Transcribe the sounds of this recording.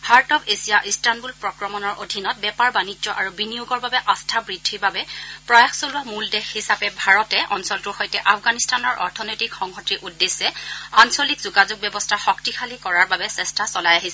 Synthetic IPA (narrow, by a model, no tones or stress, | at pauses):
haɹtɔbesijaʔistanbulpɹɔkɹɔmɔnɔɹʔodʱinɔt̚bɛpaɹbanizɔʔaɹubinijuɡɔɹbabɛʔastʰabɹidʱiɹbabɛpɹɔjaxsolɔmuldɛxhisapɛbʱaɹɔtɛʔɔnsɔltʊɹxɔjtɛʔafɡanistanɔɹʔɔ̰ɹtʰɔnɔjtikxɔŋhɔtɹiʔudːesːɛansolikzuɡazʊɡ̚bjɔbɔstʰaxɔktixʰalikɔɹaɹbabɛsɛstʰasɔlajaɦisɛ